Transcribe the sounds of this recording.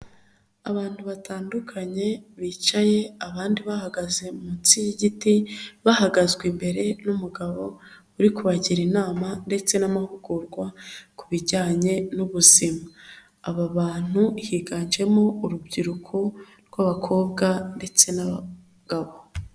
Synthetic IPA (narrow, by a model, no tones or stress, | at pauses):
a̰βaːn̥huβatʰaːndukʰaɲe̞βiːt͡ʃaje̞aβaːndiβahaɡaze̞munt͡sijiɟitiβahaɡazɡwimbe̞ɾe̞numuɡaβo̞ | uɾikuβaɟiɾinaːmande̞t͡se̞namahuɡ̥uɾɡwakuβiɟaːɲe̞nuβuzimaː | βaβaːn̥huhiːɡaːnd͡ʒe̞mo̞uɾubɟiɾukʰo | ɾɡwaβakʰo̞ːbɡande̞t͡se̞naβa | ɡ̥aβo̞